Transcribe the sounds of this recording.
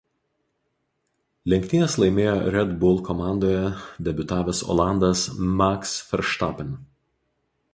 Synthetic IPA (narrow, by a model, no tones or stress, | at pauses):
lʲɛŋʲkʲt̪ʲɪnʲɛslˠɐɪmʲeːjoɾʲɛd̪bʊlˠkɔmɑˑnd̪oːjɛd̪ʲɛbʲʊt̪ɑːʋʲesɔ̰ːlˠɑˑnd̪ɐsmɑksfʲɛɾʃt̪ɑpʲɛn